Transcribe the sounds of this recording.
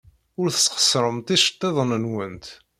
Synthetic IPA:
ʊɾθəsːqə̥sɾˤəmt̪iʃə̥t̪ˤːeðˤənənwənt̪

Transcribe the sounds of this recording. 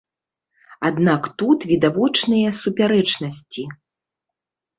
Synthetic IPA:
ad̪nakt̪ut̪vʲid̪avɔt͡ʂnɨjɐsupʲaɾɛt͡ʂnɐsʲt͡sʲi

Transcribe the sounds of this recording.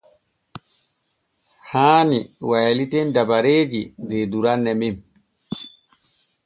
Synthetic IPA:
haːniwajlitɛndabaɾeːd͡ʒideduɾanːɛmim

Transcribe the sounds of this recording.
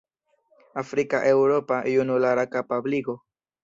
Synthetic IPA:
afɾikaʔewɾopaʔjunulaɾakapabliɡo

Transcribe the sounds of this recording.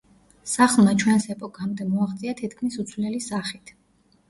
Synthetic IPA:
saχlˠmat͡ʃʰwɛnsɛpʼɔkʼamd̪ɛmɔaχt̪sʼiat̪ʰit̪ʰkʰmisut̪sʰvlɛlisaχit̪ʰ

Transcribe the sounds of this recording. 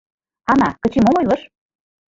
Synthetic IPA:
ɑnɑ̰kə̆t͡ɕemomɤ̆jlɤ̆ʃ

